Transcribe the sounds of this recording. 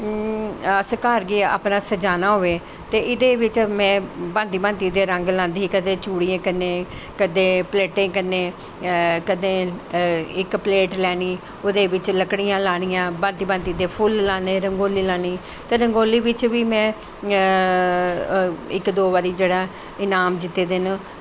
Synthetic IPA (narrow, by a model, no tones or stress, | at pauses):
səkaːɾɡiːa̰ːpnaːsəd͡ʒaːnaːɦoːʋeː | t̪eːɪd̪eːʋɪt͡ʃmɛ̃ːbãːnd̪iːbãːnt̪iːd̪eːɾə̃ŋɡlãːnd̪iːkəd̪ẽːt͡ʃuːɽiːẽːkənːẽː | kəd̪ẽːpleːʈẽːkənːẽː | kəd̪ẽː | ɪkpleːʈlɛːɽ̃iː | ʊd̪eːʋɪt͡ʃləkɽiːãːlaːɽ̃ɪijãːbãːnd̪iːbə̃nt̪iːd̪eːpʰʊlːaːnẽːɾəŋɡoːliːlaːñiː | t̪eːɾəŋɡoːliːʋɪt͡ʃʋiːmɛ̃ː | ɪkd̪oːʋaːɾiːd͡ʒeːɽaː | ɪnaːmd͡ʒɪt̪ːeːd̪ɪn